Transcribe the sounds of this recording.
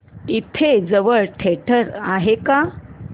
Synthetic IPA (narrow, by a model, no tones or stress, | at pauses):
it̪ʰed͡zəʋəɭʈʰeʈʰəɾaɦeka